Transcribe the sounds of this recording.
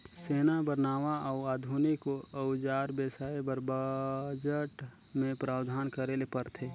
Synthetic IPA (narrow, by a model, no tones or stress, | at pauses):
seːnabəɾnaːʋaaʊaːd̪ʱunikoəʊd͡ʒaːɾbesaːebəɾbəd͡ʒəʈ | mẽpɾaːwd̪ʱaːnkəɾelepəɾt̪ʰe